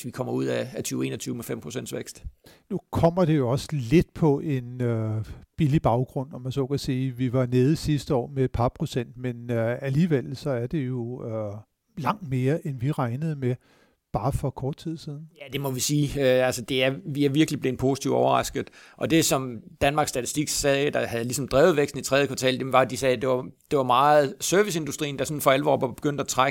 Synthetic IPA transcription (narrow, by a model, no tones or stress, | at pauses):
sʋikʰɒ̽m̰ɐuð̰ˠæːt͡sʰyːʊe̝ːnɐt͡sʰyːʊmefem̰pʰʁosen̰d̥sʋeɡ̥sd̥ | nukʰɒ̽m̰ɐɾ̥e̝jo̝ɒ̽səle̝d̥̚pʰɒ̽ʔe̝nøb̥ilib̥ɑ̈ʊɡ̥ʁɔ̽n̰ɒmænsɒ̰ːkʰæsiːʋiʋɑ̈neːð̞̩ˠsisd̥əɒ̰ːmee̝d̥̚pʰɑ̈pʰʁo̝sen̰d̥menøæliːʋel̰sɒ̽æɐd̥e̝jo̝ø | lɑ̈ŋ̰d̥me̝ːɐʔenʋiʁɑ̈ɪnəð̞̩ˠme | b̥ɑ̈ːfɒ̽kʰɒːd̥̚t͡sʰið̰ˠsiðˠn̩jæd̥e̝mɒ̽ʋisiːøælsəd̥e̝æɐʋiæɐʋiɐɡ̥lib̥le̝ːn̩pʰo̝ːsi̥ḭʊ̰̥ɒʊɐʁɑ̈sɡ̥ð̩ˠʔɒ̽d̥e̝sɒ̽md̥ænmɑ̈ɡ̥sd̥æt͡sʰi̥sd̥iɡ̥sɛːd̥ɑhæð̩ˠlisɒ̽md̥ʁɛːʊð̞̩ˠʋeɡ̥sd̥n̩it͡sʰʁɛðˠəkʰʋɑ̈t͡sʰɛ̰ːld̥emʋɑ̈d̥isɛːd̥e̝ʋɑ̈d̥e̝ʋɑ̈mɑ̈ːð̩ˠsœɐʋise̝nd̥usd̥ʁḭːnd̥ɑsɒ̽nfɒ̽ælʋɒ̰ːb̥ɑ̈b̥e̝̥ɡ̥øn̰d̥æt͡sʰʁaɡ